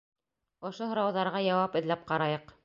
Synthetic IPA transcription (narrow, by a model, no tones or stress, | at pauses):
ŏʃoɦŏɾɑwðɑɾʁɑjɑwɑpɘ̆ðlæp̚qɑɾɑjɤq